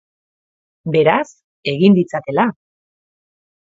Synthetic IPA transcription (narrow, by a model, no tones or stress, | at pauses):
be̞ɾas | e̞ɣind̪it͡sat̪e̞la